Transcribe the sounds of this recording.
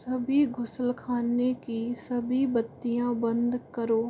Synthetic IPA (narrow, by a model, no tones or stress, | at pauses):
sɐbʱiɡʱʊsəlkʰaːnekisɐbʱibɐt̪ːijãbɐ̃nd̪kɐɾoː